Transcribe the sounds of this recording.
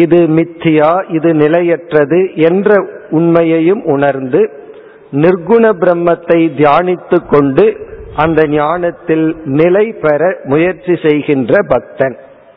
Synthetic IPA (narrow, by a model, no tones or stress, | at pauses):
ɪðɯmɪt̪ːɪjaːʔɪðɯnɪlɐjɛʈrɐðɯʔɛndrɐʊɳmɐjɐjɯmʊɳɐɾnd̪ɯ | nɪɾɡʊɳɐbɪɾɐmːɐt̪ːɐɪd̪jaːnɪt̪ːɯkːɔɳɖɯʔɐnd̪ɐɲjaːɳɐt̪ːɪlnɪlɐɪpɛɾɐmʊjɐɾt͡ʃːisɛjɣɪndrɐbɐk̚t̪ɐn